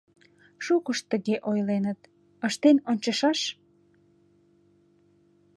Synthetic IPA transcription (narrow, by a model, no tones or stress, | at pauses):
ʃukəʃt̪əɣeʔojlenət̪ | əʃt̪enonʲt͡ɕəʃɑʃ